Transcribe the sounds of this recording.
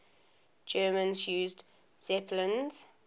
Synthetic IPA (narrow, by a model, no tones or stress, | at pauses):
d͡ʒɜːmə̃nzjuːzd | z̥ɛpʰlə̃nz̥